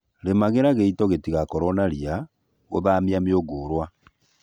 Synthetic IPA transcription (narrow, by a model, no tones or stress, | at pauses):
ɾemaɣeɾaɣeitɔɣetiɣakɔɾɔnaɾia | ɣo̰ðaːmiameoɡoːɾwa